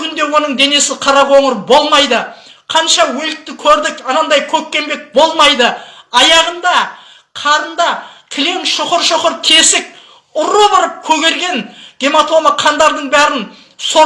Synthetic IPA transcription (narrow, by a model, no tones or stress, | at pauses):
kʰʲʏnd̪e̞wo̞nəɴd̪e̞ne̞sɪqʰɑɾɑpwo̞ɴəɾbo̞lˠmɑjd̪ə | qʰɑnʃɑwɵlɪk̚t̪ɪkʲʰɵɾd̪ɪkɑnɑnd̪ɑjkʲʰɵkʲːe̞mbe̞k̚bo̞lˠmɑjd̪əɑjɑʁənd̪ɑ | qʰɑɾənd̪ɑkʲʰɪle̞ŋʃoqəɾʃoqəɾt̪ʰe̞sɪk̚ | ʊɾobɑɾəp̚kʲʰɵɡʲe̞ɾɡʲe̞nɡʲe̞mat̪ʰo̞məqʰɑnd̪ɑɾd̪əɴbæɾɪn | so